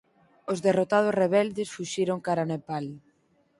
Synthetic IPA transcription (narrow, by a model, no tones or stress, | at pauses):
ozðerot̪að̞osreβɛld̪esfuʃiɾoŋkaɾanepal